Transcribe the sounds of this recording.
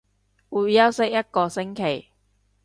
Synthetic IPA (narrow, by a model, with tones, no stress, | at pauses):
wu˨jjɐ˥wsɪ˥k̚jɐ˥t̚kɔː˧sɪ˥ŋkʰe˨˩j